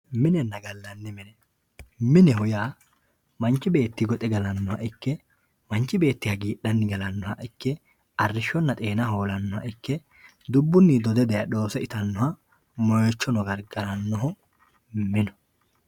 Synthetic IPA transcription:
mɪnɛnːɐɡɐlːɐnːɪmɪnɛ | mɪnɛɦʊjaː | mɐnt͡ʃːɪbe̞ːt̪ːɪɡɔt̪ʼɛɡɐlɐnːɔhɐ̰ʔɪkːɛ | mɐnt͡ʃːɪbe̞ːt̪ːɪhɐɡiːɗɐnːɪɡɐlɐnːɔhɐʔɪkːɛ | ʔɐrːɪʃɔnːɐt̪ʼe̞ːnɐho̞ːlɐnːɔhɐ̰ʔɪkːɛ | d̪ʊbːʊnːɪd̪ɔd̪ɛd̪ɛjɐɗo̞ːsɛɪt̪ɐnːɔhɐ | mɔjet͡ʃːɔnɔɡɐɾɡɐɾɐnːɔɦɔ | mɪnɔ̥

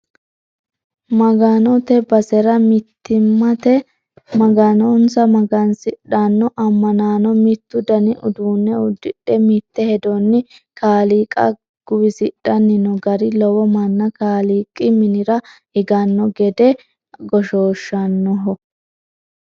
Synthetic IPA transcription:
mɐɡɐnɔt̪ɛbɐsɛɾɐmɪt̪ːɪmːɐt̪ɛ | mɐɡɐnɔnsɐmɐɡɐnsɪɗɐnːɔʔɐmːɐnaːnɔmɪt̪ːʊd̪ɐnɪʔʊd̪uːnːɛʊd̪ːɪɗɛmit̪ːɛhɛd̪ɔnːɪkaːliːkʼɐ̰ | ɡ̥ʊwɪsɪɗːɐnːɪnɔɡɐɾɪlɔwɔmɐnːɐkaːliːkʼːɪmɪnɪɾɐ | ɪɡɐnːɔɡɛd̪ɛ | ɡɔʃoːʃːɐnːɔɦɔ

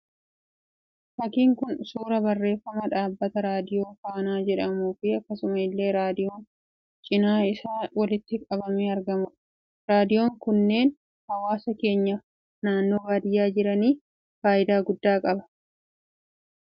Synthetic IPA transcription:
fɐkiːŋkʊnsuːɾɐbɐrːe̞ːfːɐmɐᶑ̪aːbːɐt̪ɐɾaːd̪ɪjo̞ːfaːnaːd͡ʒɛᶑɐmuːfɪɐkːɐsʊmɐɪlːe̞ːɾaːd̪ɪjo̞ːn | t͡ʃʼɪnaːɪsaːwɐlɪt̪ːɪkʼɐbɐmeːɐɾɡɐmʊ | ɾaːd̪ɪjo̞ːŋkʊnːe̞ːn | hɐwaːsɐke̞ːɲːɐ | naːnːo̞ːɡaːd̪ɪjːaːd͡ʒɪɾɐniː | faːʔɪd̪aːɡʊd̪ːaːkʼɐbɐ̥

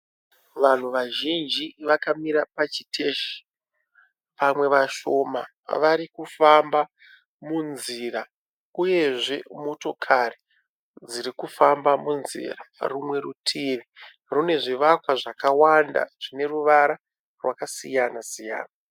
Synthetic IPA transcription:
ʋan̤uʋaʒind͡ʒiʋakamiɾapat͡ʃi̥tʰeʃi̥ | pamwe̞ʋaʃoma | ʋaɾikufamba | munziɾa | uje̞ʐe̞mo̞to̞kʰare | d͡ziɾikufambamunzḭrarumwe̞rutʰiʋi | rune̞ʐiʋakwaʐakawanda̰ʐ̥ine̞ruʋaɾa | rwakasijanasija̰ːna

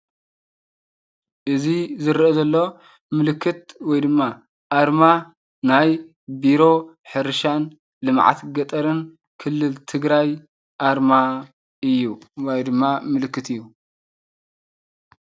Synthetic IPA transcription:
ʔɨzizɨɾʔozɐlːo̞ | mɨlɨkʰːɨt̪̚wɔjd̪ɨmːa | ʔaɾma | naj | biɾo̞ | ħɨɾɨʃan | lɨmʕa̰t̪ɡɐt̪ʼɐɾɨn | kʰɨlːɨlt̪ʰɨɡɾaj | ʔaɾma | ɨjːuwojd̪ɨmːamɨlɨkːɨt̪ɨjːu

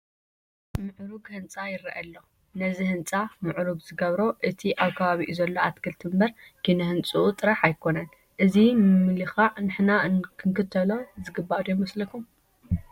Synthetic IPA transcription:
mɨʕɾuɡhɨnt͡sʼajɪɾɐʔɐlːo̞ | nɐzihɨnt͡sʼamɨʕɾuɡzɨɡɐβɾoʔɨt̪ʰiʔaβkʰɐβaβiʔuzɐlːo̞at̪kʰɨlt̪ʰɨmbɐɾ | kʰinɐhɨnt͡sʼuʔut̪ʼɨɾɐħajkʰo̞nɐn | ʔɨzimmɨlixanɨħnakʰɨŋkʰɨt̪ʰɐlozɨɡɨbːad̪omɐslɐkʰum

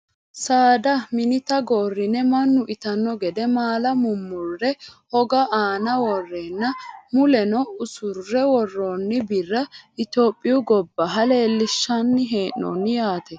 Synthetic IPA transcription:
saːd̪ɐmɪnɪt̪ɐɡoːrːɪnɛmɐnːʊʔɪt̪ɐnːɔɡɛd̪ɛmaːlɐmʊmːʊrːɛhɔɡɐʔaːnɐwɔrːeːnːɐmʊlɛnɔʊsʊrːɛwɔrːoːnːɪbɪrːɐʔɪt̪oːpʼːɪʊɡɔbːɐɦɐleːlːɪʃːɐnːɪɦe̞ːnːɔ̰nːɪjaːt̪ɛ

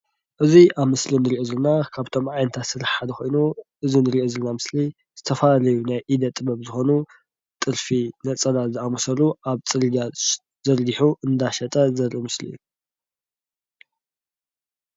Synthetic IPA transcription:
ʔɨziʔaβmɨslinɨɾiʔozɨlnakʰaβt̪ʰo̞mʕajnt̪ʰat̪sɨɾɨħħad̪ɐxo̞jnuʔɨzinɨɾiʔozɨlnamɨsli | z̥ɨt̪ʰɐfalalɐjunajʔid̪ɐt̪ʼːɨbɐβzɨxo̞nu | t̪ʼɨɾfinɐt͡sʼɐlazɨamusɐluʔaβt͡sʼɨlɡa | zɐɾɡiħuʔɨnd̪aʃɐt̪ʼɐzɐɾimɨslḭju

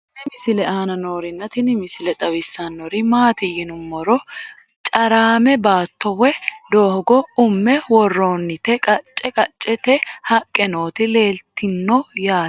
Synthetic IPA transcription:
nɪmɪsɪlɛaːnɐno̞ːɾɪnːɐt̪ɪnɪmɪsɪlɛt̪ʼɐwɪsːanːɔɾɪmaːt̪ɪjɪnʊmːɔɾɔ | t͡ʃʼɐɾaːmɛbaːt̪ːɔwɛd̪oːhɔɡɔʊmːɛwɔrːoːnːɪt̪ɛkʼɐt͡ʃʼːɛkʼɐt͡ʃʼːɛt̪ɛhɐkʼːɛno̞ːt̪ɪle̞ːlt̪ːɪnːɔjaː

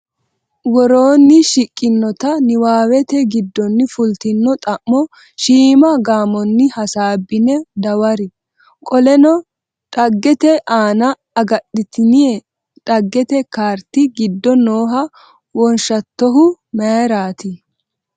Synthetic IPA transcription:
wɔɾoːnːɪʃɪkʼːɪnːɔt̪ɐnɪwaːwɛt̪ɛɡɪd̪ːɔnːɪfʊlt̪ɪnːɔt̪ʼɐʔːɔ | ʃiːmɐɡaːmɔnːɪhɐsaːbːɪnɛd̪ɐwɐɾɪ | kʼɔlɛnɔ | ᶑʼɐɡːɛt̪ɛʔaːnɐ | ɐɡɐɗːɪt̪ɪnɪɛ | ᶑɐɡːɛt̪ɛkaːɾt̪ɪɡɪd̪ːɔnoːɦɐ | wɔnʃɐt̪ːɔɦʊ | mɛɾaːt̪ɪ

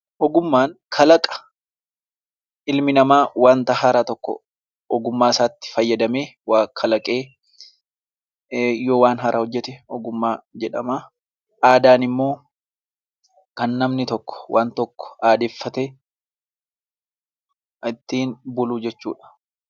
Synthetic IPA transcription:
ʔɔɡʊmːaːnkʰɐlɐkʼɐ̥ | ɪlmɪnɐmaːwaːnt̪ɐhɐɾɐt̪ɔkːɔ̰ | ɔɡʊmːaːɪsaːt̪ːɪ̥fɐjːɐd̪ɐme̞ːwaːkʰːɐlɐkʼe̞ː | joːwaːnɦɐɾʔɐhɔd͡ʒːɛt̪ɛɔɡʊmːaːd͡ʒɛᶑɐma | ʔaːd̪aːnɪmːo̞ː | kɐnːɐmnɪt̪ɔkːɔ̥waːnt̪ɔkːɔ̥aːd̪eːfːɐt̪ɛ | ɪt̪ːiːnbʊluːd͡ʒɛt͡ʃːṵːᶑɐ̥

